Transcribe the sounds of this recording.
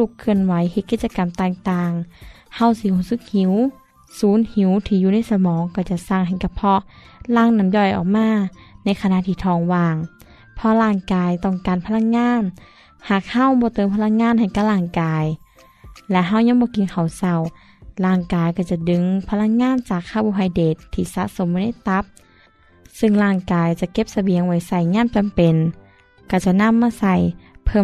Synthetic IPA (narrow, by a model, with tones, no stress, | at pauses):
lu˧˩kʰːɯ˧˩ənwa˨˦jɦe˧t̪̚kiː˧t̪̚t͡ɕa˧ka˨mt̪aː˧˩ŋt̪aː˧ŋha˧˩wsi˧huː˧˩˨sɯ˧˦k̚hi˨˦w | suː˨˦nhi˨˦wt̪ʰiː˧˨juː˧na˧˥˨jsa˧mɔː˨˦ŋka˧˩wt͡ɕa˧˩sa˧˩˨ŋɦa˨˩jka˧˩pʰɔ˧ | laː˧˩˨ŋna˧˨mjɔː˧˩jʔɔ̰ː˨˩k̚maː˧˥˨na˧˩jkʰa˧na˧˨t̪ʰiː˧˩t̪ʰɔː˧˩ŋwaː˧˩ŋ | pʰɔ˧laː˧˩ŋkaː˨jt̪ɔː˧˩ŋkaː˨npʰa˧la˧˥˨k̚ŋaː˧˥˨n | haː˨˩k̚ha˧˥˨wbɔː˧˦t̪ɤː˨˦mpʰa˧la˧˥˨k̚ŋaː˧˥˨nha˨˩jka˧˩laː˧˩ŋkaː˨j | lɛ˧˥ʔɦa˧˩wɲa˧˥ŋbɔː˧˦ki˨nkʰa˨˩wsa˧˩w | laː˧˩ŋkaː˨jkɔː˧˩t͡ɕa˧˩dɯ˨˦ŋpʰa˧la˧˥k̚ŋaː˧˥˨nt͡ɕaː˨˩kʰːaː˧˩buː˧ɦa˧jdeː˨˩t̪ʰːiː˧˩sa̰˧˥ʔso˨˧˦mbna˧˥˨jt̪a˧˦˥p̚ | sɯ˧ŋlaː˧˩ŋkaː˨jt͡ɕa˧˩ʔke˧˥p̚sa˧bi˨˦əŋwa˧˩jsa˧˩jɲaː˧˥˨mt͡ɕa˨mpe˨n | ka˧˩t͡ɕa˨˧˩ʔna˧˥˨mːaː˧˨sa˧˩jpʰɤ˧˩˨